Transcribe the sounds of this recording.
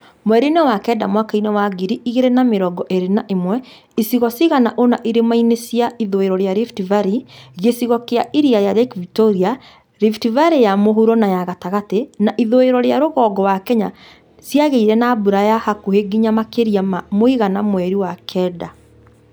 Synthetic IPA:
mowɛɾinewakɛdamwakainɛwaɡiɾiiɣeɾenameɾɔɡɔʔeɾenaʔemwɛ | isiɣɔsiɣanaʔonaʔiɾemainesjaiðoeɾɔɾeaɾiftivaɾiɣesiɣɔkeaʔiɾiajaðɛkvitoɾia | ɾiftivaɾejamoɦuɾɔnajaɣataɣatenaʔiðoeɾɔɾeaɾoɣɔːɡɔwakɛɲa | siaɣeiɾɛnaːbuɾajahakuheɡiɲamakeɾiamamoiɣanamwɛɾiwakʰɛːda

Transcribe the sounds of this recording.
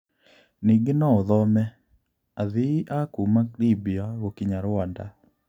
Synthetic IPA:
niɡɪnɔoðɔmɛ | aðiʔakumaklibiaɣokiɲaɾɔnda̰

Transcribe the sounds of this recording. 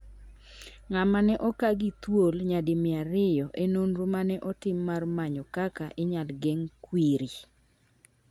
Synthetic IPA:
ŋamanɛʔɔkaɡit̪wolɲadɪmɪaɾɪjɔʔenonɾomanɛʔɔtɪmːarmaɲɔkakaʔɪɲalɡɛŋkwiɾi

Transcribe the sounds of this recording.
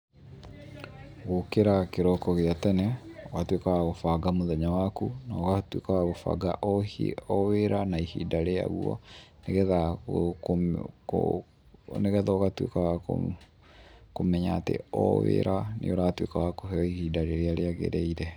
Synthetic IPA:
ɣokeɾakeɾɔkɔɣeatɛnɛoɣatwekawaɣofaɡamoðɛɲawakunaoɣatwekawaɣofa̰ɡa̰ʔɔḛɔweɾanaihḭdaɾea̰ɣuɔ̰neɣɛða | o̰ | neɣɛðaoɣatwḛkawao̰ | komɛɲaːtḛɔ̰wḛɾʔanḛoɾaːtwekawakoɦɛɔihidaɾeɾeaɾeaɣḛɾɛiɾɛ

